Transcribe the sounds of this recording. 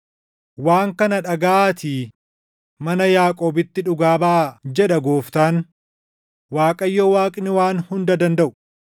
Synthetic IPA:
waːŋkɐnɐᶑɐɡɐaːt̪iː | mɐnɐjaːkʼoːbɪt̪ːɪᶑʊɡaːbɐʔd͡ʒɛᶑɐɡoːft̪aːn | waːkʼɐjːɔːwaːkʼɪnɪwaːnhʊnd̪ɐd̪ɐnd̪ɐʔʊ̥

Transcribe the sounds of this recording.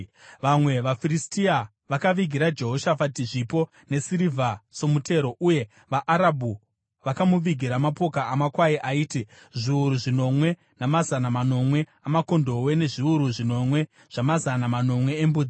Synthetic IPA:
ʋamwe̞ʋafiristia | ʋakaʋiɡʱiɾad͡ʒe̞ɦo̞ʃafatiʐipo̞ | ne̞siɾivʱaso̞mutʰe̞ɾo̞ʔuje̞ | ʋaʔaɾabʱu | ʋakamuʋiɡʱiɾamapo̞kaamakwaiʔaiːti | ʐiuɾuʐino̞mwe̞ | namazanamano̞mwe̞ | amako̞ndo̞we̞ne̞ʐiuɾuʐino̞mwe̞ | ʐ̥amazanamano̞mwe̞ːmbud͡zi

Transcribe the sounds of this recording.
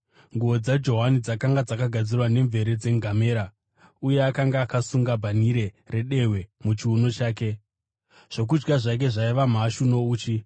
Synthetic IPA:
ŋɡuo̞d͡zad͡ʒo̞ɦanid͡zakaŋɡad͡zakaɡʱad͡zirwane̞ɱve̞ɾe̞d͡ze̞ŋɡʱame̞ːɾa | uje̞akaŋɡaːkasuŋɡabʱaniɾe̞ | re̞ɗe̞we̞mut͡ʃiuno̞t͡ʃaːke̞ | ʐ̥o̞k̬ud͡ʒɡaʐak̬e̞ʐaiʋam̤aʃuno̞uːt͡ʃi

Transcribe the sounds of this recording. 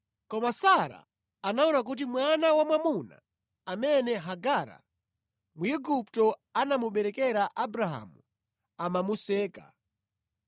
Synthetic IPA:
kɔmasaɾa̰ | anaunak̬ut̬imwanawamwamuna̰ | amɛnɛɦaɡaːɾa̰ | muiɡuptɔanamuɓɛɾɛkɛɾaʔabɾaɦa̰mu | amamusɛːka̰

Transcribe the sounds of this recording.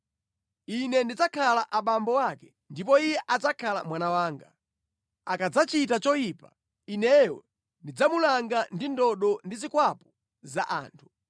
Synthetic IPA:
inɛndid͡zakʰalaʔaɓambɔwakɛ̥ | ndipɔijɛʔad͡zakʰala̰mwanawaːŋɡa | akad͡zat͡ʃitat͡ʃɔjipa̰ | inɛjɔ̰ | ndid͡zamulaŋɡandindɔɗɔndizikwapɔ̥ | za̰ʔa̰ːntʰu̥

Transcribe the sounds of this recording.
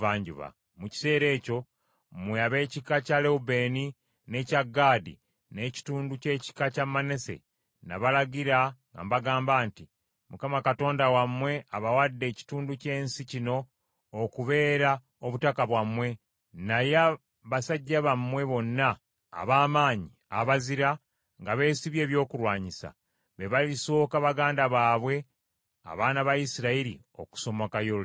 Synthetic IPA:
vaːɲɟṵβa̰ | muci̥se̞ːɾe̞ːco̞ | mweaβe̞ːcikacaleube̞ːni | ne̞caɡːaːdḭ | ne̞ːci̥tuːnduce̞ːci̥kacamːane̞se̞̰ | na̰βalaɡiɾaŋɡa̰mbaɡaːmbaːnti | mukamakato̞ːndawamwe̞aβawadːe̞ːci̥tuːnduce̞ːnsicino̞ː | kuβe̞ːɾa | oβutakaβwamːwe̞ | naja | βasaɟːaβamːwe̞βo̞nːa̰ː | βaːmaːɲi | aβaziɾa | ŋɡaβe̞ːsiβje̞ːβjo̞ːkuɾwaːɲisa̰ | βeβaliso̞ːkaβaɡaːndaβaːβwe̞ | a̰βaːnaβajisiɾaiɾḭ | o̞̰ku̥so̞mokajol

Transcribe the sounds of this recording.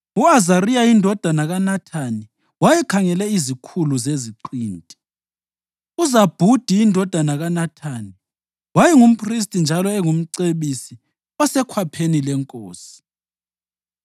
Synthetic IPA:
uazarijaindʱɔd̥ʱanaɣanatʰani | wajɛkʰaŋɛlɛizikʰuluzeziǃiːntʼi̥ | uzab̥ʱud̥ʱiːndʱɔd̥ʱanaɣanatʰani | wajɛŋum̩pʰʼris̬tʼind͡ʒʱalɔɛŋum̩ǀeɓisi | ɔsɛkʰwapʰenilɛŋkʼoːsi̥

